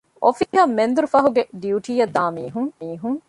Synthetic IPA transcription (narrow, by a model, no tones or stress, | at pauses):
ʔofiːɦɐmːend̪uɾufɐɦuɡeɖiuʈiːjɐd̪ːaːmiːɦuŋmiːɦuŋ